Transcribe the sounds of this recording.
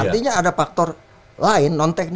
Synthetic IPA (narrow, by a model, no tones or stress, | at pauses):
art̪iɲaːdafak̚t̪ɔr | laɪnːɔnt̪ɛk̚n